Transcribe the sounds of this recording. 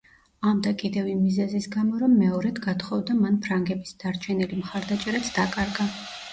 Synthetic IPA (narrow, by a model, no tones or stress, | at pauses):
amd̪akʼid̪ɛvimizɛzisɡamɔɾɔmːɛɔɾɛd̪ɡat̪ʰχɔvd̪amanpʰɾaŋɡɛbisd̪̥aɾt͡ʃʰɛnilimχaɾd̪at͡ʃʼɛɾat̪sʰd̪̥akʼaɾɡa